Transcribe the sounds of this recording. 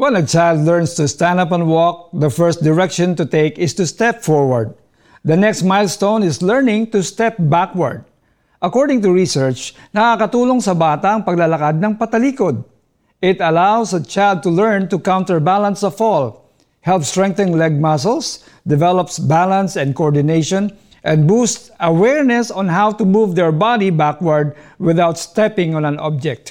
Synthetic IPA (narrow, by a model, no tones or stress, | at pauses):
wɛ̃nɐt͡ʃajld̪lɛɹnst̪ust̪æ̃nd̪ap̬ɐ̃nwɔk̚d̪ɐfɛɹst̪̚d̪ɪɹɛkʃɔ̃nt̪ʊt̪eɪkɪst̪ʊst̪ɛpfɔɹwɐɹd̪̚ | d̪ɐnɛkst̪̚majlst̪ownɪslɛɹnɪ̃ŋt̪ʊst̪ɛp̚bakwɐ̰ɹd̪̚ | ʔɐkɔɹd̪ɪŋt̪ʊɹisɛɹt͡ʃnɐkakɐt̪uːloŋsɐbaːt̪ɐʔɐŋpɐɡ̚lɐlɐkad̪̚nɐŋpɐt̪ɐliːkod̪̚ | ɪt̪ɐlawsɐt͡ʃajld̪̚t̪ʊlɛɹnt̪ʊkãwnt̪ɛɹbalɐnsɐfɔl | hɛlpst̪ɹɛ̃ŋk̚θɛ̃nlɛɡ̚mas̬ɛls | d̪ɛvɛlɔpsbalɐ̃nsɛ̃nd̪koɔɹd̪ɪnejʃɔ̃n | ʔɛ̃nd̪̚bust̪ʔɐwɛɹnɛsɔ̃nɦawt̪ʊmuvd̪ɛɹbad̪ibakwɐɹd̪̚wɪðawt̪st̪ɛpɪ̃ŋɔ̃nɐnɔ̰b̚d͡ʒɛk̚t̪